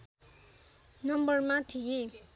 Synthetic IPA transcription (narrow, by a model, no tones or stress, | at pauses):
nʌmbʌrmat̪ʰije